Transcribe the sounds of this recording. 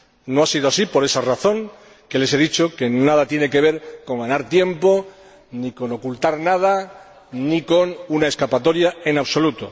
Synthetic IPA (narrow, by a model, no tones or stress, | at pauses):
noasið̞oasipo̞ɾe̞saraθõ̞ŋ | kele̞se̞ðit͡ʃo̞ke̞naðat̪je̞ne̞ke̞β̞e̞ɾko̞ŋɡanaɾt̪je̞mpo̞ | niko̞no̞kult̪aɾnað̞a | niko̞nunae̞skapat̪o̞ɾjaenaβso̞lut̪o